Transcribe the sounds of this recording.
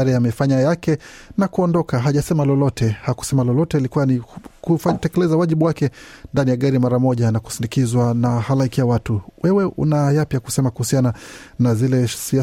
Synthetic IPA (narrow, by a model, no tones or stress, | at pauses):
aɾiamɛfaɲajakɛnakuɔndɔkaɦaʄasɛmalɔlɔtʰɛhaku̥sɛmalɔlɔtɛilikuwanikufatɛkɛlɛzawaʄiɓuwakɛndanijaɠaɾimaɾamɔʄanaku̥sindikizwanahalaikiawatuwɛwɛʔṵnajapjaku̥sɛmakuhusiananazilɛsia